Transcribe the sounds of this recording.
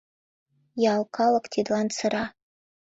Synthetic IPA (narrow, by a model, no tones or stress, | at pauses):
jaːlkʰalakʼtʰidlant͡sʰɨɾa